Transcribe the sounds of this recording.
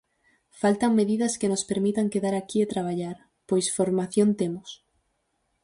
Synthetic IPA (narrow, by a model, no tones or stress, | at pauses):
falt̪aŋmeðiðɐskenospeɾmit̪aŋkeðaɾakiet̪ɾaβ̞aʎaɾ | pojsfoɾmaθjont̪emʊs